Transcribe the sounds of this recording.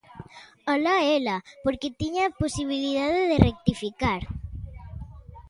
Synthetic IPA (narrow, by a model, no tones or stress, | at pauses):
alaelapoɾket̪iɲaposiβ̞iliðaðeðerek̚t̪ifikaɾ